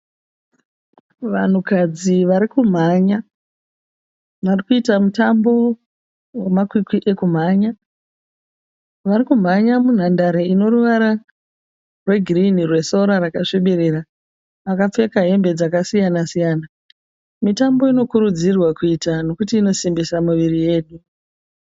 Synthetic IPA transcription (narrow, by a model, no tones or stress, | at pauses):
ʋan̤ukad͡ziʋaɾikum̤aɲa | ʋarikuitamutambo̞ | wemakwikwiʔe̞kum̤aɲa | ʋaɾikum̤aɲamun̤andaɾeino̞ruʋaɾa | rwe̞ɡʱrinirwe̞so̞ɾaɾakaʂiɓiɾeɾa | ʋakap͡fe̞kaɦe̞mbe̞d͡zakasijanasijaːna | mitambo̞ino̞kuɾud͡zirwakuiːtano̞kutiːno̞simbisamuʋirije̞ːɗu